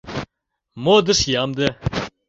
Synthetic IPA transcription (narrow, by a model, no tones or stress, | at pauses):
mod̪ɨʃjamd̪ə